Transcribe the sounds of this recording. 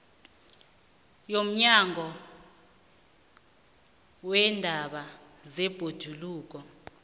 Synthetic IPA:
jom̩ɲaŋʱɔ | wɛndʱaɓa | zɛb̥ʱod̥ʒ̥ʱuluːk̬ɔ

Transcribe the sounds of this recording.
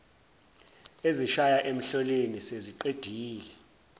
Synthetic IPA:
eziʃajaʔem̩ɬɔleniseziǃed̥ʱiːlɛ

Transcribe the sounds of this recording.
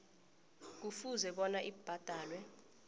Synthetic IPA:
k̬ufuzɛɓɔnaʔib̥ʱad̥ʱaːlwɛ

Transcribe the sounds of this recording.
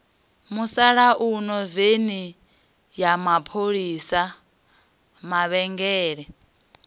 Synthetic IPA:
musaɺaʔunɔveni | jamapʰoɺiːsa | maβɛŋɡɛːɺɛ

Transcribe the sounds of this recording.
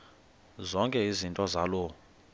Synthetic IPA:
zɔŋkʼɛizintʼɔzalɔ

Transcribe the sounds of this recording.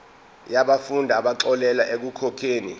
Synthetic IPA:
jaɓafundʱaɓaǁɔlɛlaʔek̬ukʰɔkʰeːnḭ

